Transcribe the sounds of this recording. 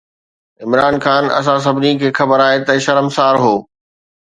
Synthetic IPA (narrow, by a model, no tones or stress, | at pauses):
ɪmɾaːnxaːnɐ̰s̬ãs̬ɐbʱɪnikʰeːxɐbəɾaːɦet̪ɐʃɐɾəmsaːɾɦoː